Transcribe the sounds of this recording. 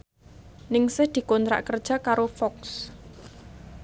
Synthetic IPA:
nɪŋsɪhd̪̥i̤kont̪ɾa̰ʔkərd̥ʒ̥a̤kaɾofɔks

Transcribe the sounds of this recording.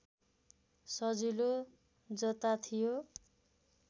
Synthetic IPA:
sʌd͡zilo | d͡zʌt̪at̪ʰijo

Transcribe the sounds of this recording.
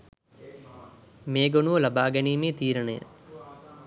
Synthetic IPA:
meːɡonuʋəlabaːɡæniːmeːt̪iːɾənəjə̰

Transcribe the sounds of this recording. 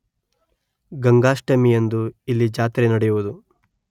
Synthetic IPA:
ɡɐŋɡaːʂʈɐmijend̪uilːid͡ʒaːt̪ɾenɐɽɛjuʋud̪u

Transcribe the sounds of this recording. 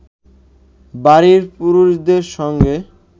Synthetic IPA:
baɾiɾpuɾuʃd̪eɾʃɔŋɡe

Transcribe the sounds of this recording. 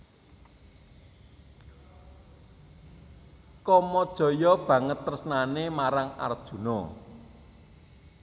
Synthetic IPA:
kɔmɔd̥ʒ̥ɔ̤jɔb̥ä̤ŋət̪ːərsnanemaɾaŋa̰rd̥ʒ̥ṳnɔ

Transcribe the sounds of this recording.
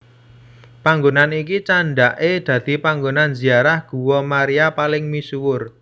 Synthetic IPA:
paŋɡonanikit͡ʃaɳɖaʔed̪̥ä̤d̪̥i̤paŋɡonanziaɾahɡ̥ṳwɔmaɾiapalɪŋmisuwʊr

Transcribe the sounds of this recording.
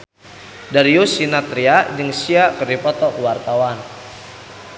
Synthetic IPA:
daɾiusinat̪ɾiad͡ʒəŋsiakərdipɔt̪ɔkwart̪awan

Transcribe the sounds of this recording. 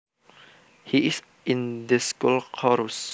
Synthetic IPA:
hiɪs | ĩndəskulkʰɔɹus

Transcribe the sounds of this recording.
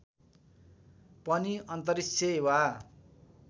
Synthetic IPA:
pʌniʔʌnt̪̬ʌɾisʰeewa

